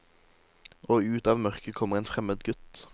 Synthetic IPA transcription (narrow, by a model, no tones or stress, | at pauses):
ʔoːʉːt̪ɑːʋmœʁkəkʰɔməʁeːnfʁɛməd̪ɡʉt̪